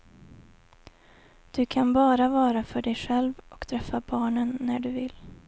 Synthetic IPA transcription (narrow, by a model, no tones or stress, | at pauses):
d̪̥ɵkʰanbɑːɾavɑːɾafœɖɛjɧɛlvʔɔkt̪ʰɾɛfːabɑːɳənːæɖɵvɪlː